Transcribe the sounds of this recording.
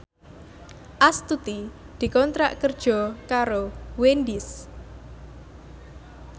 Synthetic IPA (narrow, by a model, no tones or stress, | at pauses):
ʔast̪ut̪i | d̪̥i̤kɔnt̪ɾa̰ʔkərd̥ʒ̥ɔ̤kaɾowend̪ɪs